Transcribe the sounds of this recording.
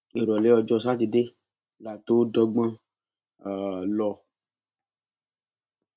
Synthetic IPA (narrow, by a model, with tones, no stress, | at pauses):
e˨ɾɔ˨le˨˦ɔ˨d͡ʒɔ˧s̬a˦t̪i˨ɖe˦ | la˨t̪o˦ɖɔ˧ɡ͡bã˦˨ | lɔ˧